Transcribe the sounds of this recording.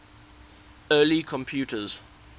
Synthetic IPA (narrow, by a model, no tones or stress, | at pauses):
ɜːlikʰɔ̃mpʰjuːtəz̥